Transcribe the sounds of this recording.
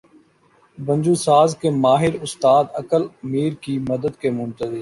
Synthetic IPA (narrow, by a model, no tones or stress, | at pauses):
bə̃nd͡ʒuːsaːzkemaːɦɪɾʊst̪aːd̪əkəlmiːɾkimɐd̪əd̪kemʊ̃nt̪əziː